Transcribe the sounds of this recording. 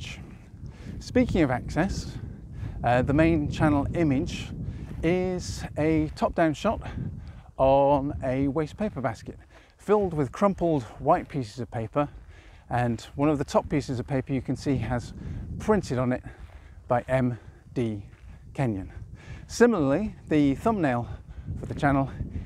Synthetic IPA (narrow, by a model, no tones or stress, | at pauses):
spiˑkɪ̃ŋʌvæksɛs | ðəmẽɪ̃nt͡ʃʰanl̩ˠɪ̃mɪd͡ʒ | ɪz̥ɨtʰɒp̚d̥ãʊ̃nʃɑt | nɨweɪspʰeɪpə˞baskɨt | fɪlˠd̚wɪð̥kʰɹ̥ʌ̃mpl̩ˠdwaɪt̚pʰisɪzʌv̥pʰeɪpə˞ | ə̃nwʌ̃nʌvðətʰɒpisɨzʌv̥pʰeɪpə˞jɨkʰɨ̃n̩siəz̥pʰɹ̥ɪ̃ntɨɾn̩ɪt̚b̥aɪʔɛ̃m | d̥ikʰɛ̃njɨ̃nsɪ̃ml̩ˠəliðɨθʌ̃mneɪlˠfə˞ðɨt͡ʃʰanl̩ˠ